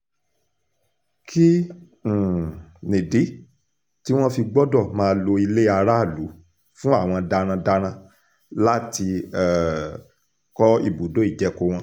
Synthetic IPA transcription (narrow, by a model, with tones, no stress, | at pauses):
kʰĩ˦˨ | nĩ˨di˨˦ | ti˦w̃ɔ̃˦fi˧ɡ͡bɔ˦dɔ˦˨mãː˨˧lo˧i˧le˦a˧ɾa˦˨lu˨˦ | fũ˦a˦˨w̃ɔ̃˧da˧ɾ̃ã˧da˧ɾ̃ã˧ | la˦ti˧ɛ˨ | kɔ˦ḭ˦˨bu˨do˨˦i˦˨d͡ʒɛ˨˦ko˧w̃ɔ̃˧